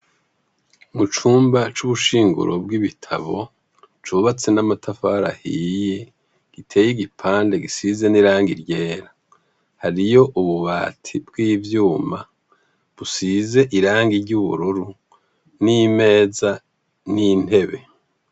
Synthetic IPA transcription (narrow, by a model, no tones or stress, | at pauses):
mut͡ʃuːmbat͡ʃuβuʃiːŋɡṵɾʔo̞bɡiβitʰa̰βo̞ | t͡ʃuβat͡senamatʰafaɾa̰hiːje | ɡ̥itʰe̞ːjiɡipʰaːnde̞ɡisize̞niɾaːŋɡiɾɟe̞ːɾa | haɾijo̞ʔuβuβaːtʰibɡiːvjuːma | βusize̞ʔiɾaːŋɡiɾɟuβṵɾuɾu | nime̞ːza | nin̥he̞βe̞